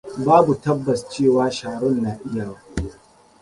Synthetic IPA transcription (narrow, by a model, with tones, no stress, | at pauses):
baː˦bu˨tɐ˦bːɐ˨st͡ʃeː˦˨waː˦ʃaː˨ɽʊ˦˨nːaː˨ʔɪ˦jaː˨waː˦